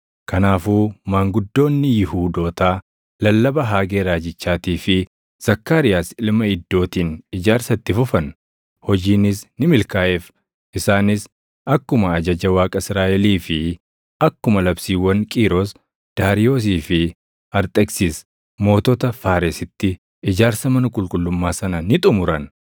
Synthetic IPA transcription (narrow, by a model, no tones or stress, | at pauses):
kɐnaːfuːmaːŋɡʊd̪ːo̞ːnːɪjɪhuːd̪o̞ːt̪aː | lɐlːɐbɐɦaːɡeːɾaːd͡ʒɪt͡ʃːaːt̪iːfɪ | z̥ɐkːaːɾɪjaːsɪlmɐɪd̪ːo̞ːt̪iːnɪd͡ʒaːɾsɐt̪ːɪfʊfɐn | hɔd͡ʒiːnɪsnɪmɪlkaːʔɛf | ʔɪsaːnɪs | ʔɐkːʊmɐːd͡ʒɐd͡ʒɐwaːkʼɐɪsɾaːʔɛliːfɪ | ɐkːʊmɐlɐbsiːwːɐnkʼiːɾoːs | d̪̥aːɾɪjo̞ːs̬iːfɪ | ɐɾt̪ʼɛksiːs | mo̞ːt̪ɔt̪ɐfaːɾɛsɪt̪ːɪ | ɪd͡ʒaːɾsɐmɐnɐkʼʊlkʼʊlːʊmːaːsɐnɐnɪt̪ʼʊmʊɾɐn